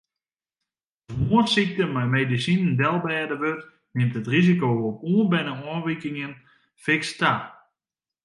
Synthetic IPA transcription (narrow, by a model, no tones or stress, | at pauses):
dmoətsik̚təmɛjmeːdisinndɛlˠbɛːdəʋøt | mɪntətrizikoopuənbɛnəɔːnʋikɪŋən | fɪksta